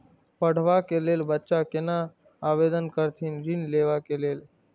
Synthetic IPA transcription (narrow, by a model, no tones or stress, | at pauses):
pəɽ̤ʋakeleːlbətːʃakɪna | aːʋeːd̪ənkəɾt̪ʰinɾinleːʋakeleːl